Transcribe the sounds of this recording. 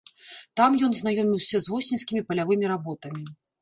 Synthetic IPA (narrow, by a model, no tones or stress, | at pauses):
t̪amjɔnznajɔmʲiwsʲɐzvɔsʲinsʲkʲimʲipɐlʲavɨmʲiɾabɔt̪ɐmʲi